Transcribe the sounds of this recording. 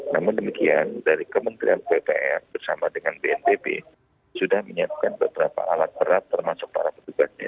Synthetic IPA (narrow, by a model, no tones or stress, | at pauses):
namʊndəmikiandaɾikəmənt̪ɾianpepeɛrbərsamadəŋanbeɛnt̪ebḛ | sudahməɲap̚kanbəbəɾapa̰ʔalat̪̚bəɾat̪ːərmasʊk̚pa̰ɾapət̪uɡas̚ɲa̰